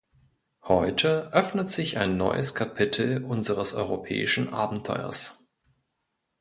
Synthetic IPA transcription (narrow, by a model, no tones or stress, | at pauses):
hɔʏtʰəʔœfnətz̥ɪçaɪnːɔ̰ʏʔəskʰapʰɪtʰl̩ʔʊnzəʁəsʔɔʏʁopʰɛ̰ːɪʃn̩ʔa̰ːbm̩tʰːɔ̰ʏɐ̰s